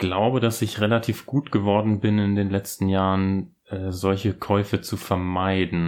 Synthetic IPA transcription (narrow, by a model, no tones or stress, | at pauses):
ɡ̥laʊbədasɪçʁelatʰiːfɡ̥uːtɡ̥əvɔɐdn̩bɪnɪndeːnlɛt͡stn̩jaːʁən | ʔɛːzɔlçəkʰɔʏfət͡sufɛɐmaɪdn̩